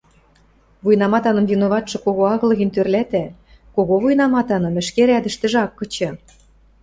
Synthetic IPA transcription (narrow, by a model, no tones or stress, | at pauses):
vujnɑmɑt̪ɑnɤ̆mvinoβɑt̪ʃɤ̆koɣoɑɣɤ̆lɤ̆ɣɘ̆nʲt̪ørlæt̪æ | koɣoβujnɑmɑt̪ɑnɤ̆mɘ̆ʃkeɾæd̪ə̆ʃt̪ɘ̆ʒɑkːɤ̆t͡ɕɤ̆